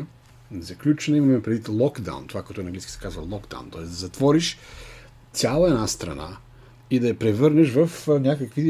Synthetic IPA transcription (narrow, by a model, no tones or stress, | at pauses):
zɐklʲut͡ʃɛnimɐmɛpɾɛd̪it̪lˠɔɡd̪a̰w̰nt̪ovakoɔɛt̪onɐŋɡliskʲisɛ̥kazvɐlˠɔɡd̪a̰w̰nt̪ɔɛzd̪ɐzɐt̪vɔɾiʃ | t̪sʲjalˠɐɛnast̪ɾɐ̰na̰ | id̪ɐjɐpɾɛvɤɾnɛʃvɐfnʲakɐkvi